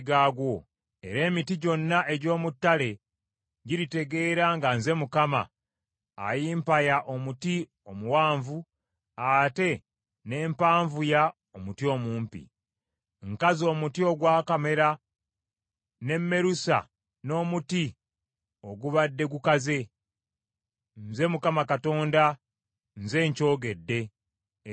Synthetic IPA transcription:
ɡaːɡwo̞ | e̞̰ɾe̞ːmitiɟo̞nːaʔe̞ɟo̞ːmutːale̞ | ɟiɾite̞ɡe̞ːɾaŋɡanze̞mukama̰ː | jimpajaʔo̞muti | o̞muwaːɱvu | ate̞ | ne̞ːmpaːɱvuja | omutjo̞muːmpḭ | ŋkazo̞ːmutio̞ɡwaːkame̞ɾa | ne̞mːe̞ɾusa̰ | no̞ːmuti | o̞ɡuβadːe̞ɡukaze̞ | nze̞mukamakato̞ːnda | nze̞ːɲco̞ːɡe̞dːe̞

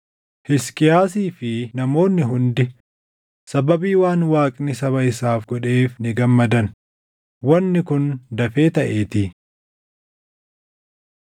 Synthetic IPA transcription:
hɪskɪjaːs̬iːfɪnɐmo̞ːnːɪɦʊnd̪ɪ | sɐbɐbiːwaːnwaːkʼnɪsɐβɐɪsaːfɡɔᶑe̞ːfnɪɡɐmːɐd̪ɐn | wɐnːɪkʊnd̪ɐfe̞ːt̪ɐʔe̞ːt̪ɪ

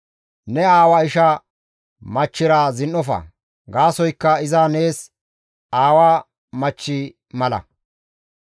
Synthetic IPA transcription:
nɛaːwɐɪʃɐ | mɐt͡ʃːɪɾaːzɪnʔɔfɐ̰ | ɡaːsɔjkːɐɪzane̞ːs | aːwaː | mɐt͡ʃːɪ | mɐlɐ̰

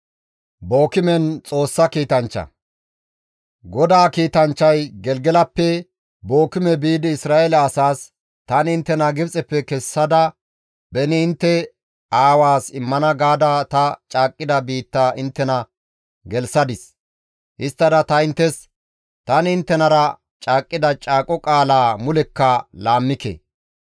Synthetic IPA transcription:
bo̞ːkɪmɛnt͡sʼo̞ːsːɐkiːt̪ɐnt͡ʃːɐ̰ | ɡɔd̪aːkiːt̪ɐnt͡ʃːɐjɡɛlɡɛlɐpːɛ | bo̞ːkɪmɛbiːd̪ɪɪsɾaːelɐːsaːs | t̪ɐnɪnt̪ːɛnɐɡɪbt͡sʼɛpːɛkɛsːɐd̪ɐ | bɛnɪːnt̪ːɛ | aːwaːsɪmːɐnɐɡaːd̪ɐt̪ɐt͡ʃʼaːkʼːɪd̪ɐbiːt̪ːaʔɪnt̪ːɛnɐ | ɡɛlsɐd̪ɪs | hɪst̪ːɐd̪ɐt̪ɐɪnt̪ːɛs | t̪ɐnɪɪnt̪ːɛnɐɾɐ | t͡ʃʼaːkʼːɪd̪ɐt͡ʃʼaːkʼɔkʼaːlaːmʊlɛkːɐlaːmːɪkɛ̰

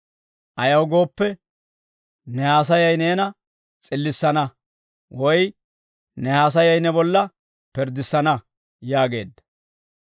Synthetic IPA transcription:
ʔɐjɐwɡo̞ːpːɛ | nɛhaːs̬ɐjɐjne̞ːnɐ | t͡sʼɪlːɪsːɐnɐ | wɔj | nɛhaːs̬ɐjɐjnɛbɔlːɐ | pɛɾd̪ɪsːɐnɐ | jaːɡe̞̰ːd̪ːɐ̥

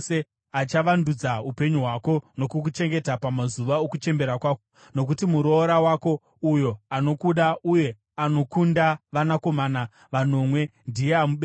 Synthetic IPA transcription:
se | at͡ʃaʋandud͡zaupe̞ɲuɦwako̞no̞kuk̬ut͡ʃe̞ŋɡe̞tapamazuʋaokut͡ʃe̞mbe̞ɾakwaːko | no̞k̬utimuɾo̞ːɾawaːko̞ | ujo̞ano̞kuɗauje̞ | ano̞kundaʋanako̞mana | ʋano̞mwe̞ndijeamuɓe

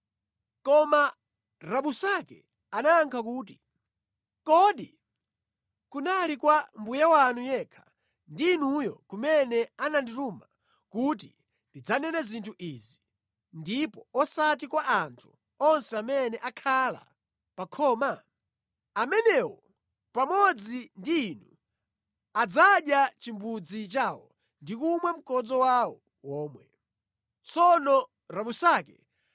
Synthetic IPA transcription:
kɔma | ɾaɓusakɛ̰ | anaːŋkʰak̬uːti | kɔɗi | kunalikwambujawanujɛkʰḁ | ndinujɔkumɛnɛanandituːma | kutḭ | ndid͡zanɛnazintʰuʔiːzi | ndipɔɔsat̬ikwaʔantʰu̥ | ɔnsɛamɛnɛʔakʰala̰ | pakʰɔːma | amɛnɛwɔ | pamɔd͡zindiːnu | ad͡zaɗjat͡ʃimbud͡zit͡ʃaːwɔ̰ | ndikumwɛm̩kɔd͡zɔwawɔ | wɔːmwɛ | t͡sɔnɔ | ɾaɓusakɛ̰

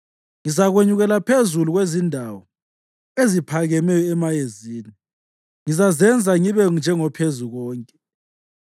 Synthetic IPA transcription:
ŋizaɣweɲuɣɛlapʰezuluɣwezindʱawɔ | ezipʰaɣɛmɛjɔɛmajeziːni | ŋizazɛnd͡zʱaŋiβɛnd͡ʒʱɛŋɔpʰezuɣɔːŋkʼɛ̥

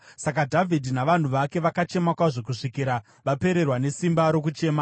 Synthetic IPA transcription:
sakadʱavʱidʱinaʋan̤uʋake̞ʋakat͡ʃe̞makwaʐok̬uʂikiɾa | ʋape̞ɾe̞rwane̞simbaɾo̞kut͡ʃe̞ːma

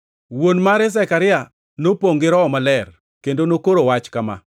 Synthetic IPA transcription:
wonmaɾɛs̬ɛkaɾɪa | nopoŋɡɪɾɔɔmalɛr | kendonokoɾowat͡ʃkama̰

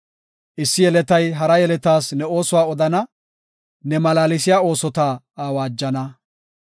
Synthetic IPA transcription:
ʔɪsːɪjɛlɛt̪ɐjɦɐɾɐjɛlɛt̪aːsnɛo̞ːsʊwaːɔd̪ɐnɐ | nɛmɐlaːlɪs̬ɪjaːo̞ːsɔt̪aː | aːwaːd͡ʒːɐnɐ

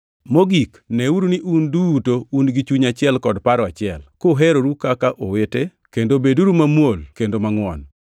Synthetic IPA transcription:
moɡik | nɛuɾuniʔundutounɡit͡ʃuɲat͡ʃɪɛlkɔdpaɾɔat͡ʃɪɛlkoɦɛɾoɾukakaʔowete | kendobeduɾumamwolkendomaŋwɔ̰n

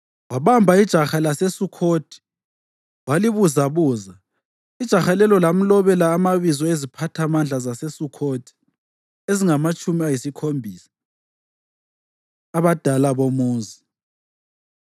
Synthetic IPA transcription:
waβambʱaid̥ʒ̥ʱaxalasesukʰoːd̥ʱi̥ | waliβuzaβuːza | id̥ʒ̥ʱaxalɛlɔlam̩lɔβɛlaːmaβizɔezipʰatʰamand͡ɮʱazasesukʰoːd̥ʰʱʼi̥ | eziŋamat͡ʃʼumiajisikʰombʱiːsḁ | aβad̥ʱalaβomuːzi

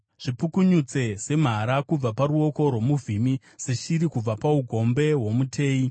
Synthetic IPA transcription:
ʐ̥ipukuɲut͡se̞se̞m̤aɾakub͡vapaɾuo̞ko̞rwo̞muvʱimi | seʃiɾikub͡vapauɡʱo̞mbe̞ɦwo̞mutʰe̞ːi

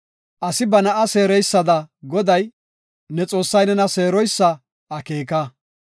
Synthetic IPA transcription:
ʔɐsɪbɐnɐʔɐseːɾɛjsːɐd̪ɐɡɔd̪ɐj | nɛt͡sʼo̞ːsːɐjnɛnɐse̞ːɾɔjsːɐː | ke̞ːkɐ

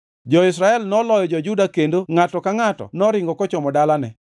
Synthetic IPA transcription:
d͡ʒɔɪsɾaɛlnɔlɔjɔd͡ʒɔd͡ʒudakendoŋatɔkaŋatɔ̰nɔɾɪŋɡɔkɔt͡ʃɔmɔdalanɛ

